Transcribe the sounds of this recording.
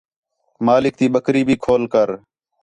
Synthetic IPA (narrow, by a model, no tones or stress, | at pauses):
maːlɪk̚t̪iːɓəkɾiːbʱiːkʰoːlkəɾ